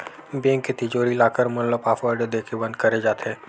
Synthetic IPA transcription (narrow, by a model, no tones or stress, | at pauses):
bẽŋket̪ɪd͡ʒoːɾilaːkəɾmʊlləpaːfəɾɖəd̪eːkʰebɐ̃nd̪̚kɐɾed͡ʒaːt̪eː